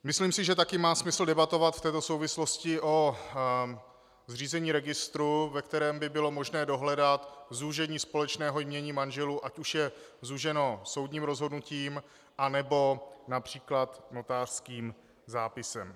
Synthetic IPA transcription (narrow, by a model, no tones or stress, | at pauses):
mɪsliːmsɪʒɛt̪akɪmaːsmɪsl̩dɛbat̪o̞vat̪ft̪ɛːt̪o̞so̞wvɪslo̞scɪʔo | zriːzɛɲiːɾɛɡɪst̪ɾuvɛk̚t̪ɛɾɛːmbɪbɪlo̞mo̞ʒnɛːdo̞ɦlɛdat̪zuʒɛɲiːspo̞lɛt͡ʃnɛːɦo̞jmɲɛɲiːmanʒɛluʔacuʃjɛzuʒɛno̞so̞wdɲiːmɾo̞zɦo̞dnuciːm | ʔanɛbo̞napr̝̥iːklat̪no̞t̪aːr̥skiːm | zaːpɪsɛm